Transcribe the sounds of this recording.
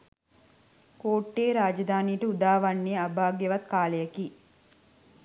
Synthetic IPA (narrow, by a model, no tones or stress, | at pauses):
koːʈːeːɾaːd͡ʒɐd̪aːniːʈɐud̪aːʋɐɳːiɐbʱaːɡjɐʋɐt̪kaːlɐjɐki